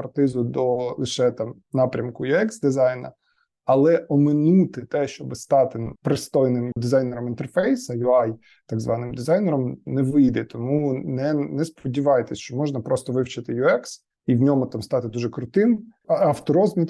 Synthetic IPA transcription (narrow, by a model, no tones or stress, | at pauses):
pɐrt̪ɪzʊd̪ɔlˠɪʃɛt̪ɑm | nɑpɾʲɐmkʊjʊɛksd̪ɪzɑjnɐ̰ | ɐlˠɛʔɔmɪnut̪ɪt̪ɛʃt͡ʃɔbɪst̪ɑt̪ɪpɾɪst̪ɔjnɪmd̪ɪzɑjnɛɾɔmint̪ɛrfɛjsɐjʊɑj | t̪ɑɡzʋɑnɪmd̪ɪzɑjnɛɾɔmnɛʋɪjd̪ɛt̪ɔmunɛnɛspɔdʲiʋɑjt̪ɛsʲt͡ʃɔmɔʒnɐpɾɔst̪ɔʋɪwt͡ʃɪt̪ɪjʊɛks | iwnʲɔmʊt̪ɑmst̪ɑt̪ɪd̪uʒɛkɾʊt̪ɪmɐft̪ɔɾɔzmʲit̪